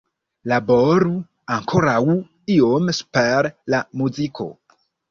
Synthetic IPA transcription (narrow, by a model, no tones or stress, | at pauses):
laboɾu | aŋkʰoɾaw | iomspeɾlamuzikʰo̞̰